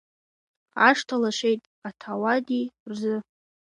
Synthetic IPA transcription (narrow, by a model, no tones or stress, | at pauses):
aʂtʰalaʂejtʼ | atʰawadirzɨ